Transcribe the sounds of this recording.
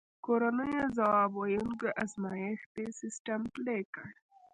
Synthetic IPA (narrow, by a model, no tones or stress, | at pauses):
koɾanəjazawɑbajunkeʔazmɑjext̪esɪsʈamplekəɽ